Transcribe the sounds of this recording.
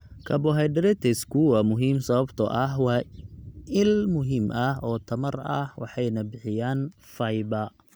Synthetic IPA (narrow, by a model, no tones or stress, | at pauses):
kʰɐbɔɦɑjd̪ɾɛt̪ʰɛskʰuwɐmʊɦiːmsɐβɐbt̪ʰɔʔɐɦwɑː | ɪlmʊɦiːmʔɐɦɔːt̪ʰɐmɐrɐ̰hwɑ̰ħɑjnɐbɪħɪjaːn | fɐjbɐ